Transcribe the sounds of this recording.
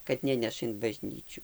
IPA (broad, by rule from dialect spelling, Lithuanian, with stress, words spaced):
kɐt ˈnʲæːnʲɛʃɐ ɪn bɐˈʒʲnʲiːt͡ʃʲʊ